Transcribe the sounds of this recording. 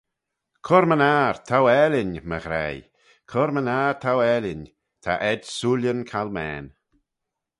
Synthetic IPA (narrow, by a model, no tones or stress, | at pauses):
kʰɔɾmənaɹt̪ʰawɛlʲɪnməɣɾɛ̰j | kʰɔɾmənaːɾt̪ʰawɛlɪn | t̪ʰa̰ʔɛdsuljənkʰalmɛ̰ːn